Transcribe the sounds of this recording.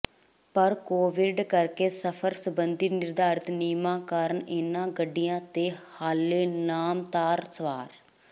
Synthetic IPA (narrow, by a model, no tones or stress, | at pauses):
pəɾkoːʋɪɖkəɾkeːsəpʰəɾsəbənd̪iːnɪɾd̪aːɾɪt̪niːmãːkaːɾəɳeːnãːɡəɖɪjãːt̪eːhaːlːeːnaːmt̪aːɾsəʋaːɾ